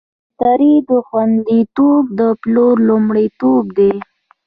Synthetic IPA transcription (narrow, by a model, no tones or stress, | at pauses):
t̪aɾid̪əxwand̪it̪ob̚d̪əploɾlʊmɽit̪ob̚d̪e